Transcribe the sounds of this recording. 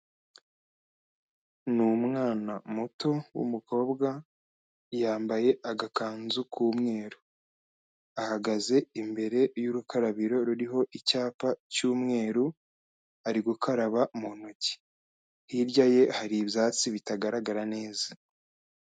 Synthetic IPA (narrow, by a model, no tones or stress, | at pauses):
numŋaːnamuto̞wṵmuko̞ːbɡa | jaːmbaje̞ʔaɡakaːnzukʰuːmŋe̞ːɾu | ahaɡaze̞imbe̞ɾe̞juɾukʰaɾaβiɾo̞ɾuɾiɦo̞ʔicaːpacuːmŋe̞ːɾu | aɾiɡukʰaɾaβamunoci̥ | hiɾɟaje̞haɾibjaːt͡siβitaɡaɾaɡaɾane̞ːza